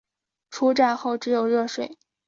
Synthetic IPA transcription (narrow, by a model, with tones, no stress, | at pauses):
ʈ͡ʂʰu˥ʈ͡ʂa˥˧nxo˥˩ʊʈ͡ʂɻ̩˧˥jo˨˩ʊɻɤ˥˧ʂwe˨˩˦ɪ